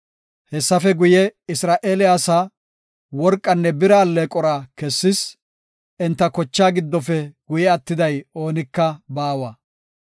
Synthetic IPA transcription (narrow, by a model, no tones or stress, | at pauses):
hɛsːɐfɛɡʊjɛɪsɾaːʔeːlɪjaːsaː | wɔɾkʼːɐnːɛbɪɾaːlːekʼɔɾaːkɛsːɪs | ʔɛnt̪ːɐkɔt͡ʃːaːɡɪd̪ːɔfɛɡ̥ʊjɛɐt̪ːɪd̪ɐjo̞ːnɪkːɐbaːwɐ